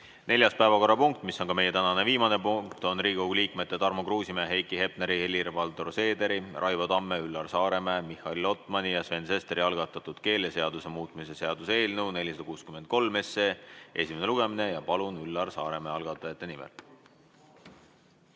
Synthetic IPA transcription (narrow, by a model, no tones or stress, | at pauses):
ne̞lʲjɑst̪pæevɑko̞rːɑpuŋk̚t̪ˑmiso̞nkɑme̞je̞t̪ænɑne̞viːmɑne̞puŋkt̪o̞nriːɡ̥oɡliːkˑme̞t̪ːˑe̞t̪ɑrmokruːsimeɑɦe̞jkˑiɦe̞pneɾie̞lːiɾevɑlt̪o̞rse̞ːd̪e̞ɾirʔɑjvod̪ɑmːeylːɑrsɑːɾe̞memihˑɑlilo̞t̪ˑmɑnʲijɑsve̞nse̞st̪eɾiɑlɡɑt̪ːˑɑt̪ːˑud̪̥ke̞ːlese̞ɑd̪use̞muːt̪ˑmise̞se̞ɑd̪̥use̞ːlnewne̞lʲisɑd̪ɑkuːskymed̪̚ko̞lme̞sːeʔe̞̰sʲime̞ne̞luɡ̥e̞mine̞jɑpɑlunylːɑrsɑːɾe̞meɑlɡ̥ɑt̪ːˑɑjɑt̪ːˑe̞nimḛl